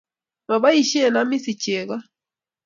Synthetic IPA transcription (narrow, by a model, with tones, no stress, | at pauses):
ma˨βa˦i˨ʃi˦e˨na˦mi˦si˨t͡ʃe˨ɣa˦